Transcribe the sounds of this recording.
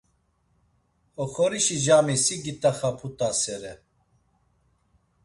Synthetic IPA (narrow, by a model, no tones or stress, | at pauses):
ɔχɔɾiʃid͡ʒamisiɡit̪aχapʰut̪ʼasɛɾɛ